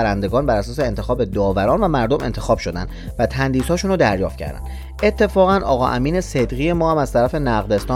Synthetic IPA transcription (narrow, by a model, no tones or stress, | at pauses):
ɾænd̪e̞ɡɒːnbæɾæsɒːseːnt̪ʰe̞xɒːbe̞d̪ɒːvæɾɒːnvæmæɾd̪ome̞̰nt̪ʰexɒːb̥ʃo̞d̪æ̰nd̪væt̪ʰænd̪iːzhɒːʃunɾod̪æɾjɒːft̪̚cʰæ̰ɾd̪æ̰nnd̪ | e̞t̪ʰːe̞fɒːɣænɒ̰ːɣɒ̰ːʔæ̰miːnesed̪ɣiːje̞mɒːhæmæz̥t̪ʰæɾæfe̞næɣd̪e̞st̪ɒː